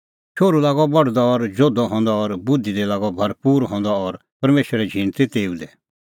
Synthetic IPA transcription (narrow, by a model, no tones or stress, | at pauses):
t͡ʃʰoːɾulaːɡɔbɔɽ̤d̪ɔɔɾd͡ʒoːd̪ɔɦɔ̃ːnd̪ɔɔɾbʊd̪ʱid̪ɛlaːɡɔbʱɐɾpuːɾɦɔ̃ːnd̪ɔɔɾ | pɐɾmeːʃəɾɛd͡ʒʱĩːnt̪it̪eːũd̪ɛ